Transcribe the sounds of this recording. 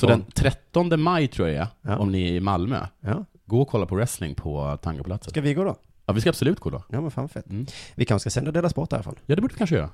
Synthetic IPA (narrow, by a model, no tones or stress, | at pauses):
sɔd̪ɛnt̪ʰɾɛt̪ːɔnd̪əmajt̪ʰɾuːjaɛ̰ɔmnɪɛɪmalmø̰ːj | ɡoːɔkʰɔlːapʰɔɾɛslɪ̰ŋpʰɔt̪ʰaŋkapʰɔlat̪səavɪɡoːd̪o | jɑːvɪskabsɔlʉ̟ːt̪̚ɡoːd̪ɔ̰jɑːmɛnfa̰ːnvafɛt̪ːvɪkʰãɧskasɛnd̪ad̪eːlaspɔʈ̪̚æ̰ɾɪfa̰lnjɑːd̪ɛbuːɖəvɪkʰanʂəjœ̰ːɾa̰